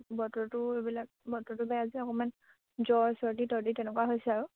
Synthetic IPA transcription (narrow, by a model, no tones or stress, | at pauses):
bɔtɔɹtʊebilak̚bɔtɔtʊbɛjaziɔkɔman | zɔɹsɔɹditɔɹditɛnɛkuwaɦojsɛaɹu